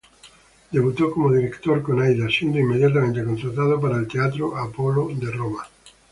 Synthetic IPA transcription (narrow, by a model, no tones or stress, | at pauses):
d̪eβut̪okomoðiɾekt̪oɾkonajðasind̪oimːeðjat̪̬amẽnt̪ekonsaɾt̪að̞op̬aɾaelt̪eat̪ɾoʔapolod̪eroma